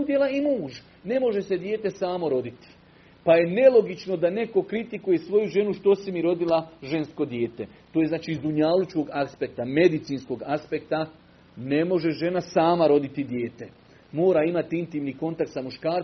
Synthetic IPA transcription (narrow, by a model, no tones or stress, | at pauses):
ud̪je̞laimuːʒ | ne̞mo̞ʒe̞se̞d̪je̞ːt̪e̞saːmo̞ɾo̞d̪it̪i̥ | paje̞ne̞lˠo̞ɡit͡ʃno̞d̪ane̞ko̞kɾit̪ikuje̞sʋo̞juʒe̞nuʃt̪o̞simiɾo̞d̪ilˠaʒe̞nsko̞d̪jeːt̪e̞t̪oːjeznaːt͡ʃiːzuɲalut͡ʃko̞ɡaspe̞k̚t̪ame̞d̪it̪siːnsko̞ɡaspe̞kt̪a | ne̞mo̞ʒe̞ʒe̞nasaːmaɾo̞d̪it̪id̪jeːt̪e̞ | mo̞ːɾaimat̪iint̪iːmniːko̞nt̪ak̚t̪samuʃkaːɾ